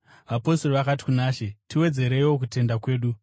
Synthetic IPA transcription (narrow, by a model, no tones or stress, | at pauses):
ʋapo̞storoʋakati̥kunaːʃetiwe̞d͡ze̞ɾewok̬ute̞ndakwe̞ːɗu